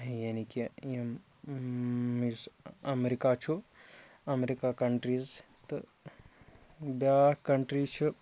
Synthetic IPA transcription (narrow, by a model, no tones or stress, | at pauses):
janikijɐm | isɐmeɾikat͡ʃʰu | ɐmeɾikakɐɳʈɾiz | t̪ɨ | bakɐɳʈɾit͡ʃʰu